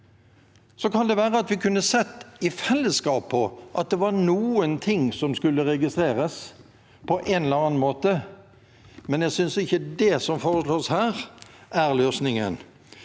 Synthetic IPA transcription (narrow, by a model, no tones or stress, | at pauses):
sɔkʰɑnd̪ɛʋæːɾəɑt̪ʋɪkʰʉnːəsɛt̪ːɪfɛlːəskɑːpʰːɔʔɑt̪̚d̪ɛʋɑɾnuːənt̪ʰɪŋsɔmskʉlːəɾɛɡɪst̪ɾeːɾəs | pʰɔʔɛnɛləɾɑːnn̩moːt̪ə | mɛnjæsʏnsɪçːəd̪ɛsɔmfoːʁəsloːshæːɾʔæɾløːsnɪŋə̰n